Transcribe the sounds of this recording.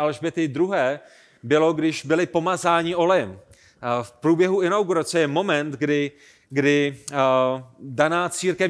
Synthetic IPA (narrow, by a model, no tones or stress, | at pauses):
alʒbɪt̪ɪd̪ɾuɦɛː | bɪlo̞ɡdɪʒbɪlɪpo̞mazaːɲɪo̞lɛjɛm | fpɾuːbjɛɦuɪnawɡuɾat͡sɛjɛmo̞mɛnt̪ɡdɪ | ɡdɪ | danaːt͡siːɾkɛf